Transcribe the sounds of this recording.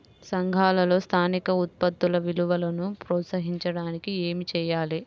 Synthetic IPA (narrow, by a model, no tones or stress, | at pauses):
sɐŋɡʱaːlɐlo̞ːst̪ʰaːnikɐut̪̚pɐd̪ːulɐʋiluʋɐlɐnupɾɔːt̪sɐɦiɲt͡ʃɐɽaːnikieːmit͡ʃɛːjaːli